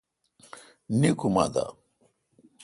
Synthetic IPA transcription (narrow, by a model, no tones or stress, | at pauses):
nikʰuma̰d̪a̰